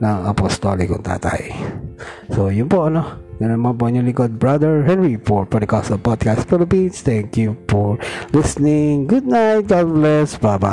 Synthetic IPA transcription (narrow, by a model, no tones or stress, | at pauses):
nɐŋɐpɔst̪olɪkʊŋt̪a̰ːt̪a̰j | sojʊnpoʔɐnoɡɐnonmanp̬onuliɡɔd̪̚bɹad̪ɛɹɦɛnɹifɔɹfɔɹd̪əkɔsɔlpɔd̪̚kast̪fɪlɪpĩnst̪ɛ̃ŋkjupɔɹlɪsnɪŋɡʊd̪̚najt̪̚ɡadblɛsbaba̰